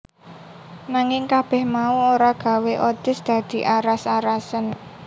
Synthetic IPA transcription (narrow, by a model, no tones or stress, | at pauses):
naŋɪŋkab̥ɛ̤hmauoɾaɡ̥a̤weʔot̪ɪ̤sd̪̥ä̤d̪̥i̤ʔaɾasaɾasən